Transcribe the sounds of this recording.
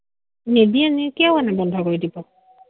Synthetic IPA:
nebianikɛwanɛbɔndʱɔkoɹidibɔ

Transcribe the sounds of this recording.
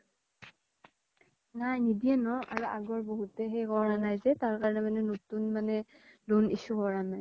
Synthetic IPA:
najnidiɛnɔʔa̰ɹuaɡɔɹboɦutɛxejɡɔɹanajzɛtaɹkaɹɔnɛmanɛnotunmanɛ | lunisuɡɔɹanaj

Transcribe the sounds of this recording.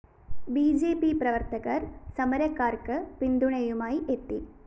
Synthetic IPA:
biːd͡ʑeːpiprɐʋɐrt̪ɐɣɐrsɐmɐɾɐkːaːrkɨpind̪uɳɐjumaːjiʔet̪ːi

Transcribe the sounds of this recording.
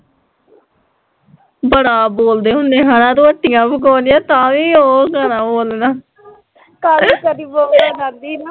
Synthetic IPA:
bəɽaːboːld̪eːɦʊ̃nd̪eːɦaːnãːd̪õːəʈːɪjãːpək̬ɔːnɪjãːt̪ãːʋiːoːɡanãːboːlnaː | kaɾiːkəɾiːboːlaːnand̪iːna

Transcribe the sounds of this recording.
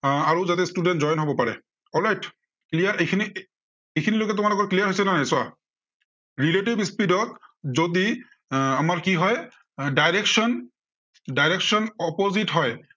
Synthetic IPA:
aɹozatɛstudɛntzɔjnɦobɔpaɹɛ̰ | ɔlɹajt | klijaʔekʰini | ekʰinilojkɛt̬ʊmalɔɡɔɹklijaɹɦojsɛnanajsʊa | ɹiletibispidɔt̚zodi | amaɹkiɦɔj | dajɹeksɔn | dajɹɛksɔnɔpozitɦɔj

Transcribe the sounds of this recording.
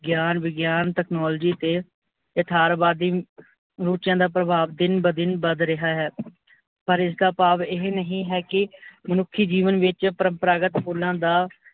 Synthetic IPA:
ɡjaːnʋɪɡjaːnʈɛːknoːld͡ʒiːt̪eː | ət̪ʰaːɾbaːd̪iː | ɾuːt͡ʃɪjãːd̪aːpɾəbʱaːʋd̪ɪnbəd̪ɪnbəd̪ɾɪɦaːɦɛː | pəɾɪs̬ɡ̪aːpaːʋɪɦnəɦĩːɦɛːkɪmənʊkʰːiːd͡ʒiːʋənʋɪt͡ʃpəɾəmpɾaːɡət̪pʰuːlãːd̪aː

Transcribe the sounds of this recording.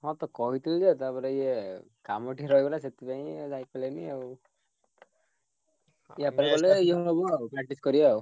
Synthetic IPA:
hɔ̃t̪ɔkɔɦit̪ild͡ʒet̪apɔɾejekamɔʈiɾɔjbɔlaset̪ipaĩzajpaleniau | iapaɾɛkɔlɛiɦɔbɔpɾak̚ʈiskɔɾiaw

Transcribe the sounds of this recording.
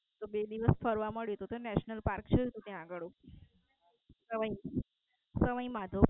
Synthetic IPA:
t̪obed̪iʋəsfʰəɾʋaməɭjot̪ut̪onɛʃnəlpaɾkt͡ʃʰəot̪ũt̪jãːɡəɭũ | səməj | səʋəjmad̪ʱo

